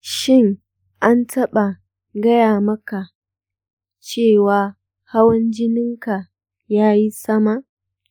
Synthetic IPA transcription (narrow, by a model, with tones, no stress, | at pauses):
ʃɪ˦˨ŋ | ʔa˦ntʰɐ˦ɓa˨ | ɡɐ˦jaː˨mɐ˦ka˨ | t͡ʃeː˦˨waː˨ | ha˦wɐ˦nd͡ʒɪ˦nɪ˦ŋka˨ | jaː˦ji˦sɐ˦ma˨ʔ